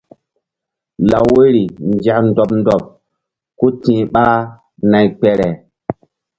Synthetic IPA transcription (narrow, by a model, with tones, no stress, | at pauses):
la˨wwe˦ɾi˨nd͡ʒa˨kn˦dɔ˨pndɔ˨p̚ | ko˦tĩː˨ɓa˦ | na˨jk͡pɛ˨ɾɛ˨